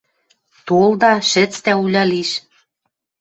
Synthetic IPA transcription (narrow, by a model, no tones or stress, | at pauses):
t̪old̪ɑʃɘ̆t͡st̪æulʲɑliʃ